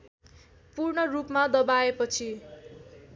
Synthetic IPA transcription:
purɳʌrupmad̪ʌbaepʌt͡sʰi

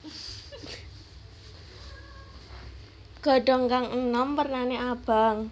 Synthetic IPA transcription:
ɡ̥ɔ̤ɖɔ̤ŋkaŋənɔmpərnaneab̥a̤ŋ

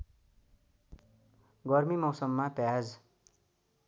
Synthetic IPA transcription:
ɡʌrmimʌwsʌmːapjad͡z

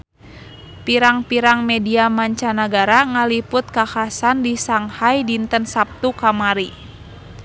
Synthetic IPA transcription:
piɾaŋpiɾaŋmɛdiamaɲt͡ʃanaɡaɾaŋalipʊt̪̚kakasandisaŋhajdint̪ənsap̚t̪ukamaɾi

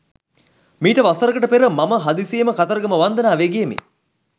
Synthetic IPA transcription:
miːʈəʋasəɾəkəʈəpeɾəmaməɦad̪isejməkat̪ɐɾəɡəməʋand̪ənaːʋeɡejemḛ

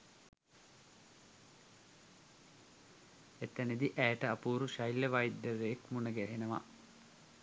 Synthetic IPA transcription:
et̪ːɐnid̪iʔæːʈəapuːɾuʃɐjlːɐʋajd̪ːəɾeːkmunəɡɛɦenəʋa̰

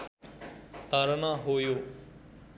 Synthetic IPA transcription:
t̪aːɾənaːɦoːjoː

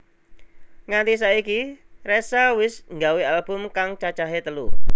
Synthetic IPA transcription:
ŋant̪is̬aikiresawɪsŋɡawialb̥ʊmkaŋt͡ʃat͡ʃaɦet̪əlu

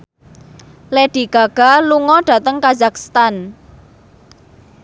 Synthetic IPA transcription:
leɖ̥i̤ɡ̥a̤ɡ̥a̤luŋɔɖ̥a̤t̪əŋkazakst̪an

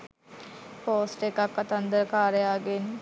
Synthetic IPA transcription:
poːsʈekakːat̪ɐnd̪əɾəkaːɾəjaːɡen

